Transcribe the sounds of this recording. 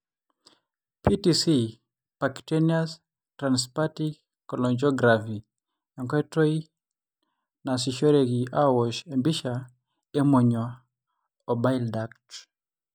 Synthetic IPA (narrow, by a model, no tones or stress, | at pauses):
pitisi | paktenias | tɾanspati | kɔlɔɲd͡ʒɔɡɾafi | ɔŋkɔɛtɔi | nas̬iʃɔɾeɡiawɔʃembiʃa | emɔɲwa | ɔbajldak̚t